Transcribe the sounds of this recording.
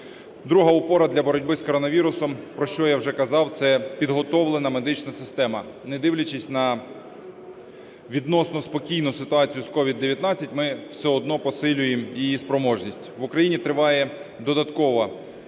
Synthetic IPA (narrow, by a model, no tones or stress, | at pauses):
d̪ɾuɦɐʊpɔɾɐd̪lʲɐbɔɾɔdʲbɪskɔɾɔnɐʋʲiɾʊsɔmpɾɔʃt͡ʃɔjawʒɛkɐzɑwt̪sɛpʲid̪ɦɔt̪ɔʋlˠenɐmed̪ɪt͡ʃnɐsɪst̪ɛmɐ | ned̪ɪwlʲɐt͡ʃɪsʲnɐ | ʋʲid̪nɔsnɔspɔkʲijnʊsɪt̪ʊɑt͡sʲijʊskɔʋʲid̪ːeʋʲjɐt̪nɑt͡sʲːɐtʲmɪw̥sʲɛɔd̪nɔpɔsɪlʲʊjemjijispɾɔmɔʒnʲisʲtʲʋʊkɾɐjinʲit̪ɾɪʋɑjɛ | d̪ɔd̪ɐt̪kɔʋɐ